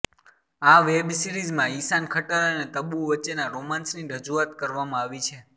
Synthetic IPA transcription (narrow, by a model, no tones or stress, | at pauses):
aʋebsiɾizmãisankʰəʈaɾənet̪əbuʋəːt͡ʃːenaɾomãnsniɾəd͡ʒuat̪kəɾʋamãaʋit͡ʃʰe